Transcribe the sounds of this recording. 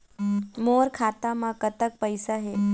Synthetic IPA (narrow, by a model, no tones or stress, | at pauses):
moːɾkʰaːt̪amãkət̪ək̚pəjsaɦe